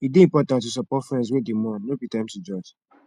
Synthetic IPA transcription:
ibiĩmpɔtãntːus̬ɔpɔtfɹɛ̃ns̬wedemɔ̃nnobitãɪ̃mtud͡ʒɔd͡ʒ

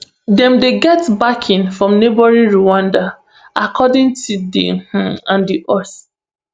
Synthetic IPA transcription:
dɛ̃mdeɡɛtbakʰĩnfɹɔ̃mnebɔɹĩnɹuwãnda | ʔakʰɔdĩŋtʰudḭh̩ãndiʔɔs

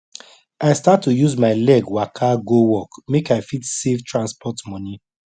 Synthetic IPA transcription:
aɪstatːujuzmaɪlɛɡwakʰaɡowɔkmekaɪfitsevtʰɹãnspʰɔtmɔ̃ni

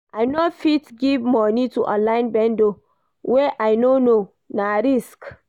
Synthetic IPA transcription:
aɪnofitɡivmɔnituʔãlãɪ̃nbɛ̃ndo | wɛʔajnono | naɾisk

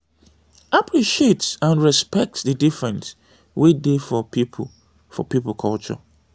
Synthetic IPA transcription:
apʰɹiʃietsãnɹɛspɛk̚tsðədifɹɛ̃ns | widefɔpipʰ | fɔ̰pipl̩kʰɔlt͡ʃɔ̰

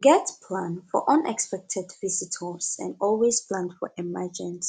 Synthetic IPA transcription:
ɡɛtpʰlãnfɔ̰ʔʌ̃nɛkspɛk̚tʰɛdvisitʰəsɛ̰̃ndɔlˠwezpʰlãndfɔ̰ʔɛmad͡ʒɪ̃ns

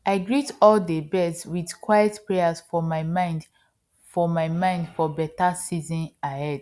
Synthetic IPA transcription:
ʔaɪɡɹitɔldebɛstwidkʰwajɛtpɹɛjasfɔmaɪmãɪ̃nd | fɔmaɪmãɪ̃ndfɔbɛtasizɔ̃nahɛd̥

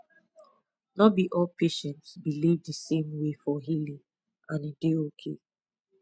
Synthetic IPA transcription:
nɔbiʔɔlpʰeʃɛ̃ntsbilivdəsẽmwefɔɦilĩŋ | ãnideokʰe

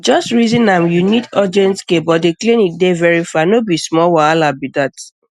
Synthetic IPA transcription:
d͡ʒɔstɹizĩnamjunitɔd͡ʒɛ̃nskebɔdeklẽnit̚devɛɹifanobismɔwaalabidat

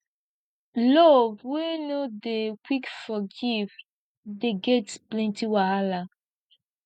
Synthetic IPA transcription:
lɔvwenodekwikfɔɡiv | deɡɛtsplɛ̃ntiwaala

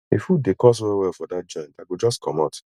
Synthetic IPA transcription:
efud̚dekɔs̬wɛwɛlfɔdat̚d͡ʒɔ̃ɪ̃ndaɡod͡ʒɔskʰɔ̃maʊt

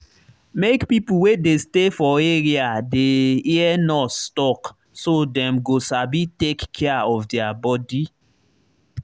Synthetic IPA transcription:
mekpipuwedestefɔeɹiadeiɛnɔtstɔk | sodɛ̃mɡosabitekkʰːɛaɔfdɛabɔdi

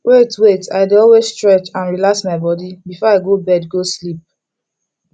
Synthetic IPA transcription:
wʔetweta̰ɪdeɔlwesstɹɛt͡ʃãnɹilaksmaɪbɔdibifɔaɪɡobɛdɡoslip̚

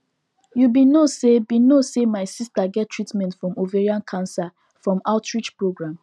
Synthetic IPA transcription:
jubĩnosebĩnosemaɪsistaɡɛtʰːɹitmɛ̃ntfɹɔ̃moveɹiãnkʰãnsa | fɹɔ̃maʊtɹit͡ʃpɹoɡɹãm

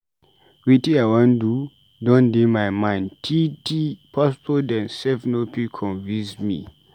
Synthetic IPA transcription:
witiawãndu | dɔ̃ndemajmãɪ̃ntʰitʰipʰɔspɔdɛ̃nsɛfnopikʰɔ̃nvĩnsmḭ

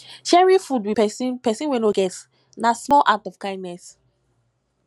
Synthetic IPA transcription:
ʃɛɹĩfudwipɛsĩnpɛsĩnwɛ̃noɡɛt | nasmɔlʔak̚tɔfkãɪ̃ndnɛs

